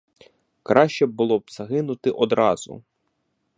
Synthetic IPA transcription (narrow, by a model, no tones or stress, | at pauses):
kɾɑʃt͡ʃɛbbʊlˠɔbz̥ɐɦɪnʊt̪ɪʔɔd̪ɾɑzʊ̰